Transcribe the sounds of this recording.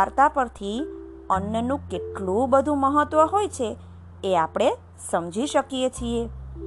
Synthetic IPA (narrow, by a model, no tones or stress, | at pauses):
aɾt̪apəɾt̪ʰi | ənjənũkeʈɭũbəd̪ʱũməɦət̪ʋəɦojt͡ʃʰe | eapɽ̃e | səmd͡ʒiʃəkijet͡ʃʰie